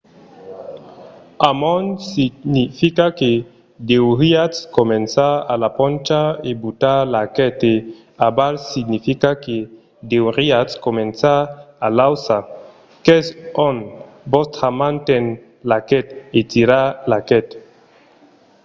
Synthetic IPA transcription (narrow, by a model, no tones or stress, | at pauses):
amɔnsinifikake | d̪ewɾiaskomensaalapɔ̃nt͡ʃaebut̪alakɛt̪e | abalsiɡnifikake | d̪ewɾiatskomẽnsaalawsa | kɛsɔn | bɔst̪amãnt̪ɛn | lakɛt̪et̪iɾalakɛt̪